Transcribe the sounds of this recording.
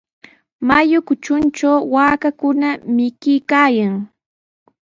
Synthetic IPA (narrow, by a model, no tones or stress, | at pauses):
majʊkʊt͡ʃʊnt͡ʃawwaːkakʊnamɪkɪjkaːjaŋ